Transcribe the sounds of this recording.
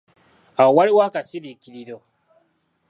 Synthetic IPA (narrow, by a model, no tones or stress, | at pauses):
ʔawɐɽwaːkasilikʲilido